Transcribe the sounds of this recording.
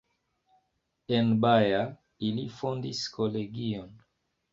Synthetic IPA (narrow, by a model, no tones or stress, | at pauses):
enbaja | ilifondiskʰoleɡion